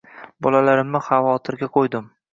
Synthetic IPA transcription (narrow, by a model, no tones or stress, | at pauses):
bɒlalaɾɪmnɪχavɒt̪ʰɪɾɡʲaqʰojd̪ɪm